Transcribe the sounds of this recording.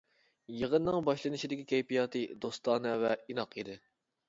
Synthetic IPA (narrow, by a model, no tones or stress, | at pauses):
jəʁənːɨŋbɑʃlˠɨnɨʃid̪ɪkʲikʲejpijɑːt̪ʰɨd̪ost̪ɑːnɨvɛinɑqid̪ɪ